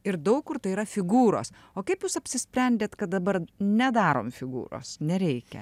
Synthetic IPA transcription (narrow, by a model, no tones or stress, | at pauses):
ɪɾd̪ɐʊkkʊɾt̪ɐiɾɐfʲɪɡuːɾo̰ːs | oːkɐɪpjuːsɐpʲsʲɪsʲpʲɾʲɛnʲd̪ʲeːt̪kɐt̪̚d̪ɐbɐɾnʲɛd̪ɑːɾo̰ːmfʲɪɡṵːɾo̰ːsnʲɛɾʲɛɪkʲɛ̰